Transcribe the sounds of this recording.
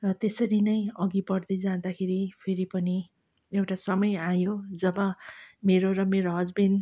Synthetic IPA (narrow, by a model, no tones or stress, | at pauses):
rʌt̪esʌɾinʌjʌɡipʌrd̪ʌjd͡zand̪akʰeɾipʰeɾipʌni | ewʈasʌmʌjajod͡zʌbʌmeɾorʌmeɾoɦʌd͡zbin